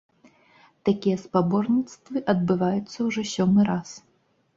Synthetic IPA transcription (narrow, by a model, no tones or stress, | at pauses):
t̪akʲijɐspabɔrnʲit̪st̪vɨʔɐd̪̚bɨvajut̪sːɐwʐɔsʲɔmɨɾas